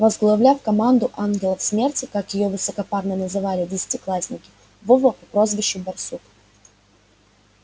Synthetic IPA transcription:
vəzɡlˠɐvlʲafkɐmand̪ʊʔanɡʲɪlˠəfsmʲe̞rtʲɪkakjɪjo̞vɨsəkɐparnənəzɨvalʲɪdʲɪsʲɪ̥tʲɪklˠasʲnʲɪkʲɪ̥ | vɔvəpʊpɾozvʲɪɕːʊbɐrsut̪

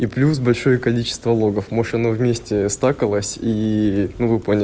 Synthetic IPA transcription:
iplʲusbɐlʲʂo̞jəkɐlʲit͡ɕɪ̥st̪vəlˠo̞ɡəfmoʂɐnovmʲesʲtʲɪst̪akəlˠəsʲinuvɨponʲɪ

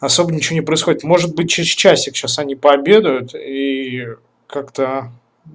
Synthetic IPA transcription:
ɐso̞bənʲɪt͡ɕɪvonʲɪpɾəɪsxodʲɪt̪mo̞ʐɨt̪̚bɨt̚ʲt͡ɕɪt͡ɕæsʲɪkɕasɐnʲipəɐbʲed̪əjʊt̪i | kakt̪ə

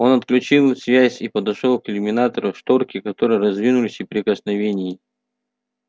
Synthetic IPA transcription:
o̞nɐt̪klʲʉt͡ɕilˠsʲvʲæzʲipəd̪ɐʂolˠkɪlʲɪmʲɪnat̪əɾʊʂt̪orkʲɪkɐt̪o̞ɾɨjəɾɐzvʲinʊlʲɪsʲɪpɾʲɪkəsnɐvʲenʲɪjɪ

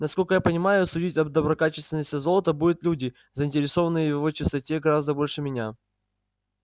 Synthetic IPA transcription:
nɐskolʲkəjapənʲɪmajʊsʊdʲitʲɐd̪əbɾɐkat͡ɕɪst̪vʲɪnːəsʲtʲɪzolˠət̪əbudʲʊt̪lʲudʲɪ | zəɪnʲtʲɪɾʲɪso̞vənːɨjəjjɪvo̞t͡ɕɪst̪ɐtʲe̞ɡɐɾazd̪əbo̞lʲʂɨmʲɪnʲa

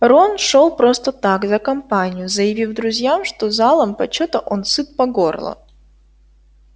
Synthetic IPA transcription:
ronʂolˠpɾost̪ət̪akzəkɐmpanʲɪjʊzəjɪvʲifd̪ɾʊzʲjamʂt̪ozalˠəmpɐt͡ɕot̪əʔonsɨt̪̚pɐɡorlˠə̰

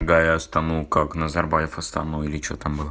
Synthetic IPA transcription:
ɡajast̪anukaknɐzarbajɪfɐst̪a̰nuilʲɪt͡ʃot̪ambɨlˠə

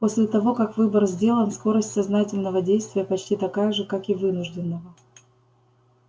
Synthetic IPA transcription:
po̞sʲlʲɪt̪ɐvo̞kakvɨbərzʲdʲe̞lˠənsko̞ɾəsʲtʲsɐznatʲɪlʲnəvədʲejst̪vʲɪjəpɐt͡ɕtʲit̪ɐkajəʐɨkakɪvɨnʊʐdʲɪnːəvə

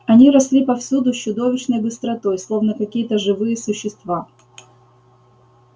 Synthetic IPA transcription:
ɐnʲiɾɐsʲlʲipɐfsʲud̪ʊt͡ɕːʊd̪o̞vʲɪt͡ɕnəjbɨst̪ɾɐt̪o̞jslˠo̞vnəkɐkʲijət̪əʐɨvɨjəsʊɕːɪst̪va

